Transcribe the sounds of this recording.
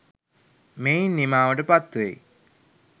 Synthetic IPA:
mejnːimaːʋəʈəpat̪ːʋḛj

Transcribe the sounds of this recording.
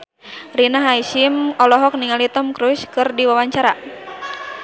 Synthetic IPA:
rinaɦaiʃimɔlɔɦɔk̚niŋalit̪ɔmkɾuskɨrdiwawaɲt͡ʃaɾa

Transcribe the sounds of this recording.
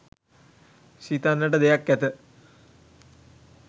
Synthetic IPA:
ɕiːt̪anːəʈəd̪ejakːɛt̪ə

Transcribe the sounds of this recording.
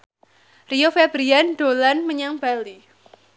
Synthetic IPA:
riofebɾianɖ̥olanməɲaŋb̥ali

